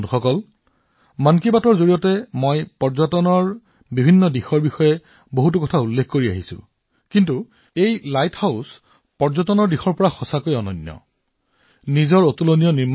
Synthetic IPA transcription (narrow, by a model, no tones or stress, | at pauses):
nuxɔkɔl | mankibatɔɹzoɹijɔtɛmɔjpɔɹzɔtɔnɔɹ | bibʱinːɔdixɔɹbixɔjɛ | boɦut̬ukɔtʰaulːekʰkoɹia̰ɦisʊ̰̃ | kintu | ejlajthaʊs | pɔɹzɔtɔnɔɹdixɔɹpɔɹaxɔsakojɔnɔnjɔ̰ | nizɔɹotulonijɔnim